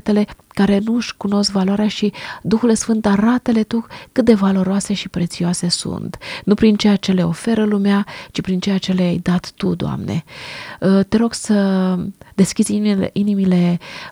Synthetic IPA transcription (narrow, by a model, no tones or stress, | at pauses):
t̪ele̞kaɾe̞nuʃkuno̞skvaloaɾeaʃid̪uxule̞sfɨnt̪aɾat̪əle̞t̪ukɨt̪̚d̪e̞valo̞ɾoase̞ʃipɾe̞t̪sioase̞sṵnt̪nupɾint͡ʃe̞jat͡ʃe̞le̞o̞fe̞ɾəlumeat͡ʃipɾint͡ʃejat͡ʃe̞leajd̪at̪ːud̪oa̰mne̞̰ | t̪e̞ɾo̞ɡ̥sə | d̪e̞skʲizʲiinimile̞